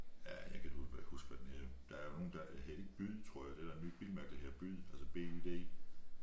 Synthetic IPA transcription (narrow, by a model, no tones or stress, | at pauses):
jæjɑ̈ɪkʰæd̥u̥æ̥husɡ̥fɒd̥ened̥ɑ̈æɐjono̝ːn̩d̥ɑ̈hel̰e̝ɡ̥əb̥yð̰ˠt͡sʰʁo̝ɐ̰jɑ̈d̥e̝d̥æɐenːy̰ːb̥ilmæɐɡ̥ð̩ˠheɐb̥yð̰ˠælsəb̥e̝d̥e̝̰